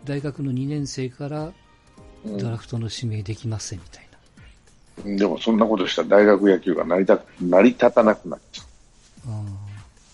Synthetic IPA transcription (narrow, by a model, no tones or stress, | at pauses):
d̪aiɡakɯ̟no̞ɲ̟inẽ̞ɰ̃se̞ːkaɾa | d̪oɾakɯ̟̥t̪o̞no̞ɕime̞ːd̪e̞kʲimasẽ̞mːʲi̥t̪aina | d̪e̞mo̞̰sõ̞nːako̞t̪o̞ɕi̥t̪ad̪aiɡakɯ̟jakʲɨːɡa̰naɾʲit̪aknaɾʲit̪at̪anakɯ̟na̰t͡ɕḁ | aː